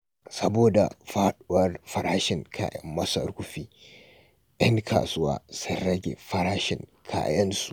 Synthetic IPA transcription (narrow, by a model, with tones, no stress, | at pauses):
sɐ˦boː˨da̰˨ɸaː˦ɗʊ˦wɐ˦rɸɐ˨ɾaː˦ʃɪ˨ŋkʰa̰ː˦jɐ̰˦mːɐ˦sɐ̰˦ɾkʷʊ˦ɸiː˦ | j̰ɐ˦ŋkʰa̰ː˨sʊ˦wa̰ː˦sɐ˦ɾɐ˦ɡʲḛ˨ɸɐ˦ɾaː˦ʃɪ̰˨ŋkʰa̰ː˦jɐ˦nsu̥˨